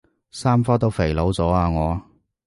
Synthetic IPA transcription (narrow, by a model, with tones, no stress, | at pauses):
saː˥mfɔː˥t̪o˥wfe˨˩jlo˨˧wt͡sɔː˨˥aː˧ŋɔː˨˧